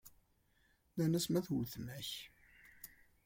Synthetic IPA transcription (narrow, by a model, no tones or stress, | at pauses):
nænæsmæθuθmæç